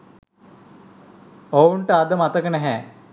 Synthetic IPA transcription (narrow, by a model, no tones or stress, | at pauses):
ouɳʈəad̪əmat̪əkənɛɦɛ